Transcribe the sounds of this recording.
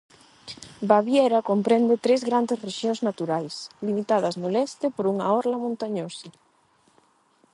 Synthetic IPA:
baβjeɾakompɾɛnd̪et̪ɾezɣɾand̪esreʃjoŋznat̪uɾajslimit̪aðɐznolɛst̪ɪpoɾuŋaɔɾlamõnt̪aɲosa

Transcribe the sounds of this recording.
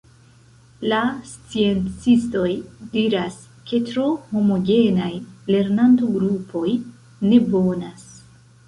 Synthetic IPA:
last͡sie̞nt͡sisto̞jdiɾas | kʰe̞tɾo̞ho̞mo̞ɡe̞najle̞ɾnantoɡɾupʰo̞j | ne̞bo̞nas

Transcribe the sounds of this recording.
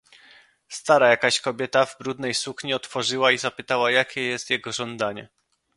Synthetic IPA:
st̪aɾajakaɕkɔbʲjɛt̪avbɾud̪nɛjsukɲiɔt̪fɔʐɘwaizapɘt̪awajakʲɛjɛst̪jɛɡɔʐɔnd̪aɲɛ

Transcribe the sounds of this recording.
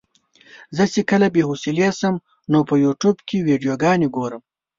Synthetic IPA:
zət͡ʃekəlabeɦosilesəm | nopəjuʈubkʰewiɖijoɡɑneɡoɾəm

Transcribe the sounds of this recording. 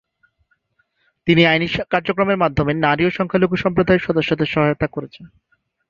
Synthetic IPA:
t̪iniajniʃkaɾd͡ʑokɾomeɾmad̪ʱːomenaɾioʃɔŋkʰaloɡuʃɔmpɾod̪ʱaeɾʃɔd̪oʃːod̪eɾʃɔɦajot̪akoɾet͡ɕʰen

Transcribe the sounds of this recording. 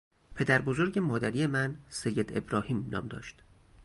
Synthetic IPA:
pʰe̞d̪æɾbo̞zo̞ɾɟe̞mɒːd̪æɾijemænsejːe̞d̪e̞̰bɾɒːhiːmnɒ̰ːmd̪ɒ̰ːʃt̪

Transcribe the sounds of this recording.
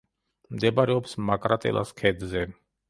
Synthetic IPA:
md̪ɛbaɾɛɔpsmakʼɾat̪ʼɛ̰lˠʔa̰skʰɛd̪zɛ

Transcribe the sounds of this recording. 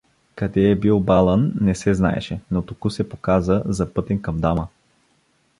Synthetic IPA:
kɐd̪ɛːbilˠbalˠənːɛsɛzna̰ɛ̰ʃɛnot̪okusɛpokazəzɐpɤt̪ɛnkɐmd̪amə

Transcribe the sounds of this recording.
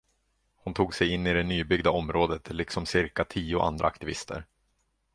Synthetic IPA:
hʊnt̪ʰuːɡsɛjɪnːɪd̪ɛnyːbʏɡd̪aɔmɾoːd̪ət̪ʰlɪksɔmsɪɾkat̪ʰiːʊʔa̰nd̪ɾʔa̰ːkt̪ɪvɪ̰st̪ʰə̰ɾ

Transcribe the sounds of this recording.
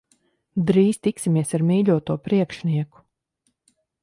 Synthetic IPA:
d̪ɾiːst̪iksimiɛsaɾmiːʎʲuɔt̪uɔpɾiɛkʃniɛku̥

